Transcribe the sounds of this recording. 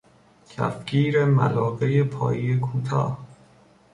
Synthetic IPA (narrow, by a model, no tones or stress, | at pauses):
cʰæ̰fcʰiːɾemæ̰lɒːɣejepʰɒ̰ːjijekʰuːt̪ʰɒ̰ːh